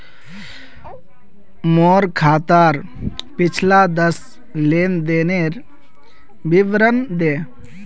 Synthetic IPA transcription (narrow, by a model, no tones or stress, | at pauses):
moːɾkʰaːt̪aːɾ | pɪt͡ʃʰlaːd̪əs | leːnd̪eneɾ | biʋɾənd̪eː